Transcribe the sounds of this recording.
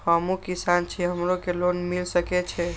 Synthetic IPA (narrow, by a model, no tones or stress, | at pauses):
həmukisant͡ʃʰɛɦəmɾokelonmilsəkɛt͡ʃʰɛ